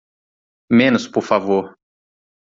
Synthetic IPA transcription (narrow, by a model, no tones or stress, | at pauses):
mẽnʊspoɾfavoɾ